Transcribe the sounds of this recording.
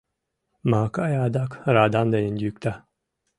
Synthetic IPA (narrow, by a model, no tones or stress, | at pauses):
maːkajaːd̪akɾaːd̪and̪ajind̪ʲykt̪a